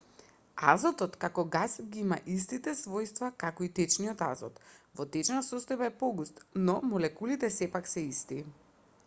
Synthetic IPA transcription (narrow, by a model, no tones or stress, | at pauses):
a̰zɔt̪ɔt̪kakɔɡasɡiima̰ʔist̪it̪ɛsvɔjst̪vakakɔit̪ɛt͡ʃniɔt̪a̰zɔ̰t̪vɔt̪ɛt͡ʃnasɔst̪ɔjbaɛpɔɡust̪nɔmɔlɛkulit̪ɛsɛpaksɛist̪i